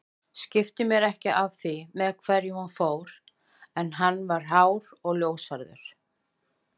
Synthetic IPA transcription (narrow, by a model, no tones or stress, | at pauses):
scɪft̪ɪmjɛɾɛhcɪʔav̥θimɛðkʰvɛɾjɪhunfoːwɾ̥ | ɛnɦanːvaɾ̥ɦaːwɾɔɣljoːwsaɾðʏ̰ɾ̥